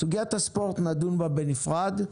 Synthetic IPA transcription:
tuɡɛt̪əspɔɾt̪nadũnbabɛnifʁad̪

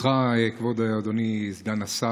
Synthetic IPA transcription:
χaekvod̪aad̪onizɡanasa

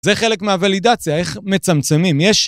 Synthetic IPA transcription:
zeχe̞le̞kmeavalidat͡sjae̞χme̞t͡samt͡se̞mimjeʃ

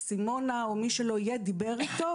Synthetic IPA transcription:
simo̞naomiʃeloijed̪ibeʁit̪o

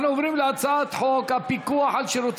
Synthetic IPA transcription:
nuovɾimleat͡saat̪ħokapikuaħalʃeɾot̪

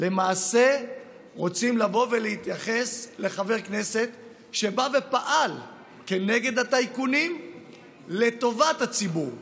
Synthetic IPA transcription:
le̞maːse̞ | ʁo̞t͡simlavo̞ve̞lehit̪jaχe̞sle̞χave̞ʁkne̞se̞t̪ | ʃe̞bave̞paʔal | ke̞ne̞ɡe̞d̪hataijkunim | le̞t̪o̞vat̪hat͡sibuʁ

